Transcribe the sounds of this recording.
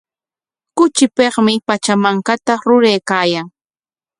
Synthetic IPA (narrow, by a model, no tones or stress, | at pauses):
kʊt͡ʃɪpeχmɪpat͡ʃamaŋkat̪aɾʊɾejkaːjaŋ